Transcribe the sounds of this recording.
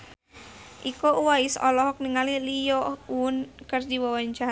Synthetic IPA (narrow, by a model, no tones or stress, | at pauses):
ʔikɔuwaisɔ̰lɔɦɔk̚niŋalilijɔuʊnkərd͡ʒiwɔwaɲt͡ʃaɦa